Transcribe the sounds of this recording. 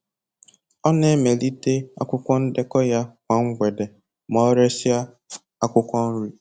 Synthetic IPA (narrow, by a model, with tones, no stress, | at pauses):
ɔ˦ne˦me˨li˦te˦a̰˦kʷʊ˦kʷɔ˦n̩˦de˦kɔ˦ja˦kʷa˨ŋ̩˦ɡʷe˨de˨ | mɔ˦ɾe˦sja˦ | a˦kʷʊ˦kʷɔ˦n̩˦ɾu˦